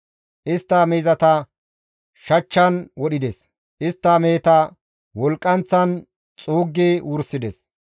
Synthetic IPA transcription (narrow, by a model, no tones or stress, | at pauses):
ʔɪst̪ːɐmɛjzɐt̪ɐ | ʃɐt͡ʃːɐnwɔɗɪd̪ɛs | ʔɪst̪ːɐmeːt̪ɐ | wɔlkʼːɐnt͡sːɐn | t͡sʼoːɡːewʊɾsɪd̪ɛs